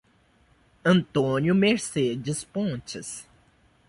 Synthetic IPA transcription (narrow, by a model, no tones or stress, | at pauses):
ɐ̃nt̪õnjʊmeɾsed͡ʒɪspõt͡ʃɪs